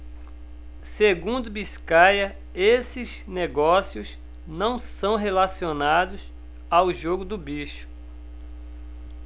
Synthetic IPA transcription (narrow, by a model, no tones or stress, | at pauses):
seɡũnd̪ʊbiskajɐ | esɪzneɡɔsiʊz | nɐ̃w̃sɐ̃w̃ɦelasionad̪ʊs | awʒoɡʊd̪ʊbiʃʊ̥